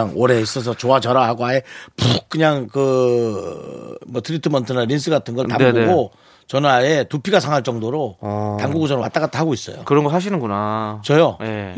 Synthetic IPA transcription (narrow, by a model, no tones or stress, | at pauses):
ŋoɾe̞is͈ʌs̬ʰʌt͡ɕoat͡ɕʌɾaɦaɡoaepuk̚k͈ɯɲaŋkɯ | mʌtʰɯɾitʰɯmʌntʰɯnaɾins̬͈ʰɯɡatʰɯnɡʌtaɡuɡo | t͡ɕʌnaetupʰiɡasʰaŋɦaɭt͡ɕ͈ʌŋdoɾotamɡuɡod͡ʑʌnwa̰t͈aɡat͈ʰahaɡois͈ʌ̰jo̰kɯɾʌnɡʌɦaɕ̬ʰinɯnɡunat͡ɕʌjoje